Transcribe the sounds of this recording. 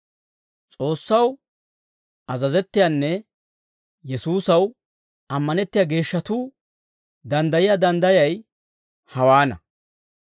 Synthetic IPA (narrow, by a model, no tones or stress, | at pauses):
t͡sʼo̞ːsːɐw | ʔɐzɐzɛt̪ːɪjanːɛ | jɛsuːsɐw | ɐmːɐnɛt̪ːɪjaːɡe̞ːʃːɐt̪uː | d̪ɐnd̪ɐjɪjaːd̪ɐnd̪ɐjɐj | hɐwaːnɐ̰